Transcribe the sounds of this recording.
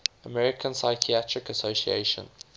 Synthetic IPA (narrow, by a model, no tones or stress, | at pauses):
əmɛɹɪkʰə̃nsaɪkʰiatʰɹɪkəsoʊsiḛʃə̰̃n